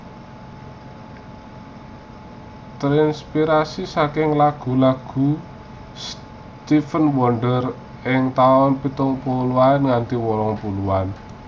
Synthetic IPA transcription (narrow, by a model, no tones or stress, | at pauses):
t̪ɾinspiɾasisakɪŋlaɡ̥ṳlaɡ̥ṳ | s | t̪ifənwɔɳɖər | ɪŋt̪aɔnpit̪ʊŋpuluanŋand̪iwɔɾɔŋpuluwan